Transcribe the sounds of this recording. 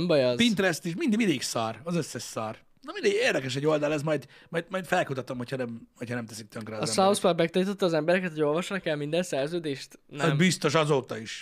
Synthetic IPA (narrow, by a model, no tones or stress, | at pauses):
mbɒjɒzpint̪ɾɛst̪iʃmind̪mind̪eːksaːrɒzøsːɛʃsaːr | nomind̪eɡeːrd̪ɛkɛʃ̬ɛɟo̞ld̪ɒlɛzmɒjd̪ | mɒjd̪mɒjt̪fɛlkut̪ɒt̪o̞mhochɒnɛmhochɒnɛmt̪ɛsik̚t̪øŋkrɛːdɒsauspɒbmɛk̚t̪ɒnit̪o̞t̪ːɒːzɛmbɛɾɛkɛt̪hoo̞lvɒʃnɒkɛlmind̪ɛnsɛrzøːd̪eːʃt̪nɛmbist̪o̞ʃɒzoːt̪ɒiʃ